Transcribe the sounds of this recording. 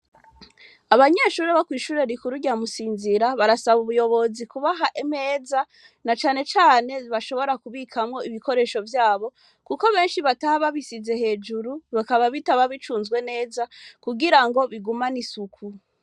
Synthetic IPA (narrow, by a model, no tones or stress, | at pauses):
aβaɲe̞ːʃuːɾeβakwiːʃuːɾe̞ɾikuɾuɟamusiːnziɾaβaɾasaβuβujo̞βo̞zikuβaɦaʔeme̞ːza | nat͡ʃaːne̞t͡ʃaːne̞βaʃo̞βo̞ɾakuβikʰamŋo̞iβiko̞ɾe̞ʃo̞vjaːβo̞ | kuko̞βe̞ːnʃiβatahaβaβisize̞he̞ːd͡ʒuɾuβakaβaβitaβaβit͡ʃuːnzɡwe̞ne̞ːzakuɡiɾaŋɡo̞βiɡumanisukʰu